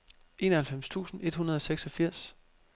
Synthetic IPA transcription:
e̝̰ːnɐhælfem̰st͡sʰṵːsn̩e̝d̥hunɐð̞ˠɒ̽seɡ̥sɒ̽fiɐ̰s

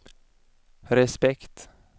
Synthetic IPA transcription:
ɾɛspɛkt̪

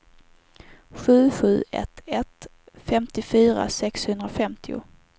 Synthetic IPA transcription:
ɧʉ̟ːɧʉ̟ːʔɛ̰t̪ɛt̪ | fɛmt̪ɪfyːɾa̰sɛkshɵnd̪ɾafɛmt̪ʰɪʊ̰

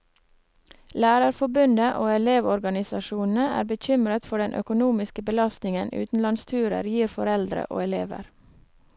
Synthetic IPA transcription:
læːɾɑɾfɔbʉnd̪əʔoːɛleːʋɔɾɡɑnɪsɑʃuːnn̩əæ̰ːɾbəçʏmɾət̪fɔɖɛnʔœ̰kʊnuːmɪskəbəlɑst̪nɪŋənʉ̰ːt̪n̩lɑnst̪ʰʉːɾə̰ɾjiːɾfɔɾɛld̪ɾə̰ʔo̰ːɛleːʋə̰ɾ

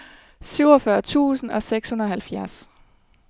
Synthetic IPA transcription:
syʊɒfɶɐt͡sʰṵːsn̩ɒ̽seɡ̥shunʁ̩ɐɒ̽hælfjæɐs

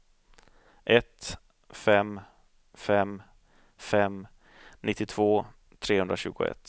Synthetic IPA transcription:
ʔɛt̪ | fɛm | fɛm | fɛm | nʔɪt̪ːɪt̪ʰv̥oː | t̪ʰɾeːhɵnd̪ɾaɕʉ̟ːɡʊ̰ɛ̰t̪ː

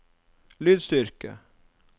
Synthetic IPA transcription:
lyːd̪st̪ʏɾkə̰

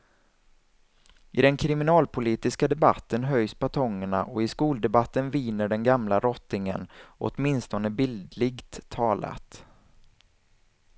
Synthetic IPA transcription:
ʔɪd̪ɛnkʰɾɪmɪnɑːlpʰʊliːt̪ɪskad̪ɛba̰t̪ːənɦœjspat̪ʰɔŋːəɳa̰ʔɔɪskuːld̪ɛbat̪ːənvɪːnəɖɛnɡamlaɾɔt̪ːɪŋə̰nʔɔ̰t̪mɪnst̪ɔnəbɪld̪lɪɡt̪ʰːɑːla̰t̪

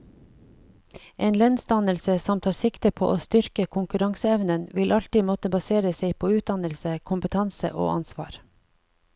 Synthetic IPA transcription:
ʔeːnlœnsd̪ɑnəlsəsɔmt̪ʰɑːsɪkt̪əpʰo̰ːʔoːst̪ʏɾkəkʰʊŋkʉɾɑŋsəɛʋnənʋɪlʔɑlt̪iːmɔt̪əbɑseːɾəseɪpʰoːʉːt̪̚d̪ɑnəlsəkʰʊmpət̪ʰɑnsə̰ʔo̰ːʔɑ̰nsʋɑ̰ːɾ

